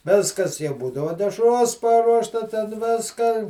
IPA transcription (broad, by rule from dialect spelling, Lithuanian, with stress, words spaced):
ˈʋʲɪskɐs jɛʊ ˈbuːdɐʋoː dʲɛʃˈroːs ˈpɑːruɔʃtɐ tʲɛn ˈʋʲɪskɐ